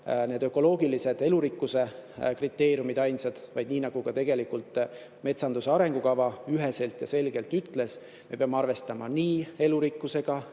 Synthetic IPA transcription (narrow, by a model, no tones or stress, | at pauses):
ne̞ːd̪̥ø̞kːˑo̞lo̞ːɡ̥ilise̞d̪̥e̞luɾikːuse̞krit̪ːe̞ːrjumid̪̥ɑjnsɑd̪̥vɑ̰jd̪̚niːnɑɡ̥uɡ̥ɑt̪e̞ɡ̥e̞likult̪ˑ | me̞t̪sɑnd̪̥useɑɾe̞ŋɡ̥ukɑvɑyɦe̞se̞lt̪jɑse̞lɡ̥e̞lt̪ːyt̪ːˑle̞s | me̞peɑmeɑrve̞st̪ɑmɑniːe̞luɾikːuse̞ɡ̥ɑ